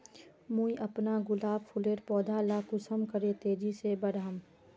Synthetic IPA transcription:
mũiʔɐpnaɡʊlaːbpʰʊleːɾpɔːd̪ʱalakʊsəmkəɾet̪eːd͡ʒisebəɽam

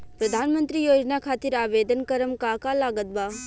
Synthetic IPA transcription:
pɾəd̪ʱaːnmə̃nt̪ɾijoːd͡ʒnakʰaːt̪ɪɾaːʋeːd̪ənkəɾəmkaːkalaːɡət̪̚baː

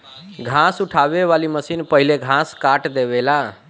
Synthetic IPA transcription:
ɡʱãsuʈʰabeʋaliməsinpəɦileɡʱãskaʈd̪eβela

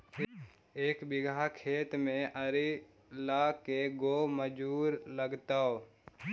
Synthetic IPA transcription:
eːkbɪɡʱakʰeːt̪mẽʔəɾi | laːkeɡoːməd͡ʒuːɾləɡt̪aːo

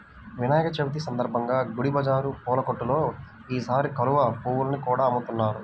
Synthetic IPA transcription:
ʋinaːjɐkɐt͡ʃebit̪̬isɐnd̪ɐɾbʱɐŋɡaːɡuɽibʱɐd͡ʒaːɾupɔːlɐkoʈːulo̞ː | iːsaːɾikɐluʋɐpuːwulnikuːɽaːɐmːut̪unːaːɾu

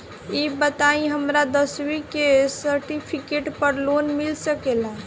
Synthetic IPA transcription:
ibət̪aĩɦəmɾad̪əswikesəɾʈipʰikeʈpəɾlonmilsəkela

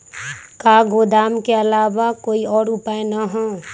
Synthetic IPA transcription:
kaːɡoːd̪aːmkeɐlaːʋakoːiɔːɾʊpaːenaɦɛ̃

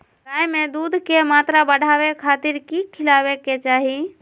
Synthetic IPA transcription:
ɾaːjmẽd̪uːd̪ʱkemaːt̪ɾabəɽ̤ʱaːwekʰaːt̪ɪɾkikʰɪlaːweket͡ʃaːɦi

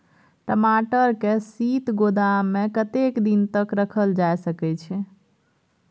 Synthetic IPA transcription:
ʈəmaʈəɾkesit̪ɡod̪amːekət̪ekd̪int̪əkɾəkʰəld͡ʒajsəkɛt͡ʃʰɛ

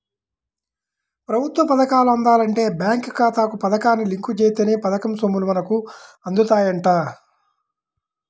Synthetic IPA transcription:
pɾɐbʱut̪ʋɐpɐd̪ɐkaːluɐnd̪aːlɐɳʈe̞ːbjaːŋkkaːt̪aːkupɐd̪ɐkaːnːiliŋkut͡ʃeːt̪eːneːpɐd̪ɐkɐmsomulumɐnɐku | ɐnd̪ut̪aːjɐɳʈaː

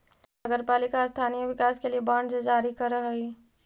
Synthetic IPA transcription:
nɐɡəɾpaːlɪkast̪ʰaːnijəʋɪkaːskeliebaːɳɖd͡ʒed͡ʒaːɾikɐɾɐɦəi

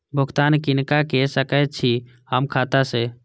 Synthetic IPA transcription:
bʱʊkt̪ankinkakesəkət̪̚t͡ʃʰi | həmkʰat̪ase

